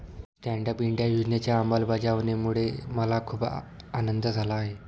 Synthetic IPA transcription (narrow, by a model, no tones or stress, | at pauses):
sʈæɳɖəpiɳɖjajud͡ʑnjat͡ɕjaːməlbad͡ʑaʋnemuɭeməlakʰuːp | anənd̪əd͡zʱalaːɦe